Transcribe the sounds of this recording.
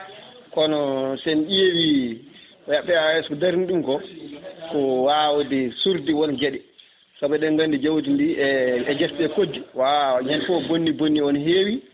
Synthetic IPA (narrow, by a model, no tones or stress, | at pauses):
kɔnɔsɛnʔewi | ɔjaɓːɛaɛskɔdaɾiniɗumkɔkɔwawodisuɾdiwɔnd͡ʒeɗɛ | sɔɓɛɗɛnɡandid͡ʒawt̬indiɛd͡ʒɛstɛkodːiwaɲɛnfɔbonːibonːiɔnɦeːwi